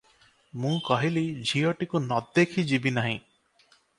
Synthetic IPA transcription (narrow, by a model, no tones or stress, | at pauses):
mũkɔɦilid͡ʒʱijoʈikunɔd̪ekʰid͡ʒibinaɦḭ̃